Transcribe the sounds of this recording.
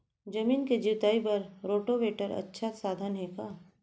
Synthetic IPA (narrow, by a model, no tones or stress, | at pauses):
d͡ʒɐmiːnked͡ʒiwt̪aːipɐɾɾoːʈoʋeːʈəɾɐ̰tːʃʰasaːd̪ʱənɦeːkaː